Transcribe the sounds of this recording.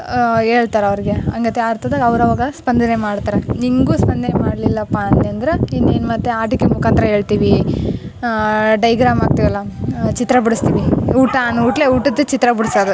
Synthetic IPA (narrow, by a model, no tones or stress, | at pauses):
eːɭt̪aːɾɐʋɐɾiɡeɐŋɡɐt̪ːeaɾt̪ʰɐd̪aɡɐʋɾɐʋaːɡɐspɐnd̪ʱɐnemaːɽt̪aːɾeniŋɡuːspɐnd̪ɐnemaːɽlilːɐpːaɐnt̪eɐnd̪ɐɾeinːeːnmɐt̪ːeaːʈikːemukaːnt̪ɾɐɦe̞ːɭt̪iːʋi | ɖɐjɡɾaːmaːɡ̚t̪iʋɐlːɐt͡ʃit̪ɾɐbuɽust̪iːʋiuːʈanuuːʈleuːʈɐt̪ːut͡ʃit̪ɾɐbuɽsod̪u